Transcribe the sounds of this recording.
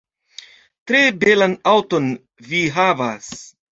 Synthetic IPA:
tɾe̞be̞lanawto̞n | viɦavas

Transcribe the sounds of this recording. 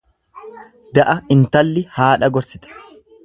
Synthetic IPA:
d̪ɐʔɐɪnt̪ɐlːɪhaːᶑɐɡɔɾsɪt̪ɐ̥

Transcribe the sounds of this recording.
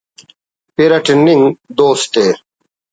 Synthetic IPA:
peɾɐʈenːiŋɡd̪oːst̪eː

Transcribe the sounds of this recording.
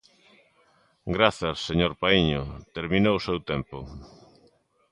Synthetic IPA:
ɡɾaθɐsːeɲoɾpaiɲʊt̪eɾmĩnowʊsewt̪ɛmpʊ

